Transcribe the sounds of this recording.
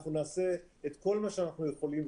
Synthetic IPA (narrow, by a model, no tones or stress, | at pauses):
χnunaːse̞et̪ko̞lmaʃeanaχnujeχo̞lim